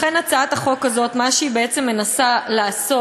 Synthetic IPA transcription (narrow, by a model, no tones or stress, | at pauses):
χenat͡saat̪aχo̞kazo̞t̪maʃeibeet͡se̞mːe̞nasalaaso